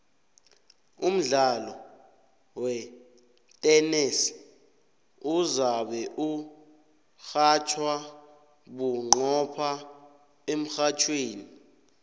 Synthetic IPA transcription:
um̩ɮalɔ | wɛ | tʼɛnɛs | uzaɓɛʔu | xat͡ʃʰwa | ɓuŋ͡ǃɔpʰa | em̩xat͡ʃʰweːni

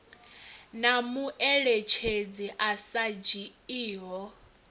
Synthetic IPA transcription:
namuʔɛɺɛt͡ʃʰed͡ziʔasad͡ʒiiːɦɔ

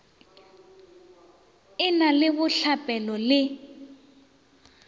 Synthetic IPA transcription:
ɪnalɪβʊɬapʼɛlɔlɪ

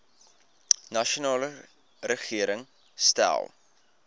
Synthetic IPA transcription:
nɐʃonɑːlə | rəχiəɾəŋ | stæ̰lˠ

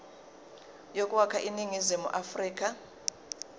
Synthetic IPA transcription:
jokʼuwakʰaʔiniŋizimṵʔafriːk̬ʼa

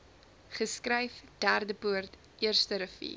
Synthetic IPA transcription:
χəskrəjfd̥ærdəpuərt | iərstəɾəfḭ

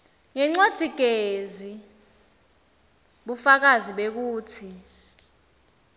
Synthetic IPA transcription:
ŋɛŋ͡ǀod̥ʱiɡ̥ʱezi | ɓufak̬aziɓek̬uːtʰi

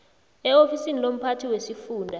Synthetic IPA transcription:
ɛofisinilom̩pʰatʰiwesifuːndʱa

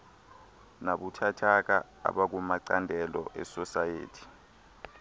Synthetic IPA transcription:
naɓutʰatʰak̬a | a̰ɓak̬umaǀandʱɛlɔ̰ʔɛsɔsajḛːtʰi̥

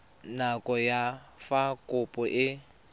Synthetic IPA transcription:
nakʼɔjafakʼʊpʼɔʔɪ

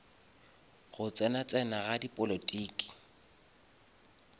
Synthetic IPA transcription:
ɣʊt͡sʼɛnat͡sʼɛnaɣadipʼɔlotʼiːkʼi̥

